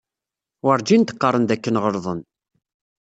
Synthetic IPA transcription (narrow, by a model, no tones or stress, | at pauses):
wəɾˤd͡ʒint̪ə̥qːɑrˤːənd̪ækːənʁəɾˤðˤən